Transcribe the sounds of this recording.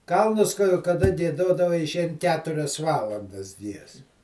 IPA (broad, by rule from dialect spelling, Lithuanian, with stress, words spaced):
ˈkɐlˠnʊs kɐ kɐˈdɐ ɡʲiɛˈdoːdɐʋɐ ɪˈʃʲɛɪn ˈkʲæːtʊrʲɛs ˈʋɑːlˠɐndɐs ˈɡʲiɛs